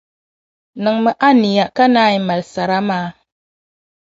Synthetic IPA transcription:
nɨ˨ŋmə˨ʔa˦ni˨ja˨ka˦naː˦i˦ma˨lsa˨ɾa˦maː˨˦

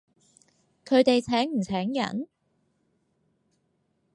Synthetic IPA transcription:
kʰɵ˨˧ɥt̪e˨jt͡sʰɛː˨˥ŋm̩˨˩t͡sʰɛː˨˥ŋjɐ̰˨˩n

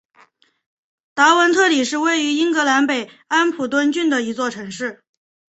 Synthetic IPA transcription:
t̪a˧˥wə˧˥nt̪ʰɤ˥˩li˨˩ʂɻ̩˥˧we˥˩ɪy˧˥i˥ŋkɤ˧˥la˧˥npe˨˩ɪ | a˥npʰu˨˩t̪̬wə˥nt͡ɕy˥˩nd̪ə˩i˧˥t͡swɔ˥˩ʈ͡ʂʰɤ˧˥ŋʂɻ̩˥˩

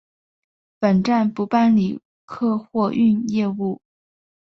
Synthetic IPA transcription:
pə˨˩nʈ͡ʂa˥˩npu˧˥pa˥˩nli˨˩ | kʰɤ˥˧xwɔ˥˧ʔy˥˧njɛ˥˧u˥˩

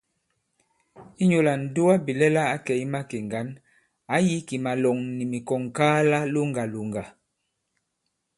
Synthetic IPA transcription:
i˦ɲo˨la˨n̩˨du˦wa˦bi˨lɛ˦la˦a˨˦kɛ˨i˦ma˦ke˨ŋɡa˨˦n | a˨˦ji˦ki˨ma˨lɔ˨ŋni˨mi˨kɔ˨ŋkaː˦la˦lo˦ŋɡa˨lu˨ŋɡa˨

